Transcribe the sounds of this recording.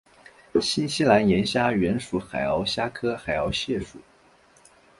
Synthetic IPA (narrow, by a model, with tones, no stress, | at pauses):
ɕi˥nɕi˥la˧˥njɛ˧˥nɕja˥ɥɛ˧˥nʂu˨˧˥xa˨˩ɪɑ˧˥ʊɕja˥kʰɤ˥xa˨˩ɪɑ˧˥ʊɕjɛ˥˩ʂṵ˨˩˦